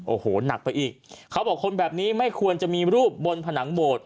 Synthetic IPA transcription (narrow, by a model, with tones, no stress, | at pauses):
ʔoː˨˩hoː˨˩na˨˩k̚pa˧jʔiː˨˩k̚kʰːa˦˥wbɔː˨˩kʰːo˧nbɛː˨˩p̚niː˦˥ma˥˩jkʰu˧ənt͡ɕa˨˩miː˧ɾuː˥˩p̚bo˧npʰa˧na˩˦ŋboː˨˩t̪̚